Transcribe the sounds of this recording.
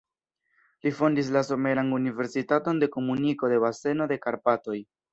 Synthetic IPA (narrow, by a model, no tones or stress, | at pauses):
lifo̞ndis̬laso̞me̞ɾanunive̞ɾsitato̞nde̞ko̞muniko̞de̞βase̞no̞de̞kaɾpato̞j